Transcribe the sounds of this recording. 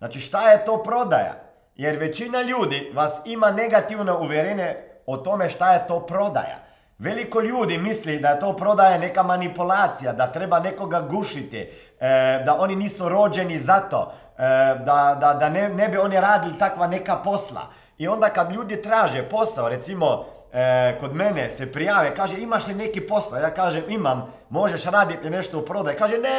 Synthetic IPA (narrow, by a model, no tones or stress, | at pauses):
zna̰ːt͡ʃiʃt̪ajet̪oːpɾo̞d̪a̰ja̰ | jeɾʋe̞t͡ʃinaʎuːd̪iʋasimane̞ɡat̪iʋnouʋjeɾeːɲeot̪o̞meʃt̪ajet̪o̞ːpɾo̞d̪a̰ja̰ | ʋe̞liko̞ʎuːd̪imislid̪ajet̪oːpɾo̞d̪ajane̞kamanipulaːt̪sijad̪at̪ɾe̞bane̞ko̞ɡaɡuʃit̪ḭ | d̪ao̞niniːsuɾo̞ːd͡ʒe̞nizat̪o̰ | d̪ad̪ad̪anenebio̞niɾaːd̪ilit̪akʋane̞kapo̞sla̰ | io̞nd̪akad̪ʎuːd̪jit̪ɾaːʒepo̞saoɾet̪simo | ko̞d̪me̞nesepɾijaːʋekaːʒeimaʃlinekipo̞saojaːkaːʒemimamː | o̞ʒeʃɾaːd̪it̪ine̞ʃt̪oupɾo̞d̪ajekaːʒene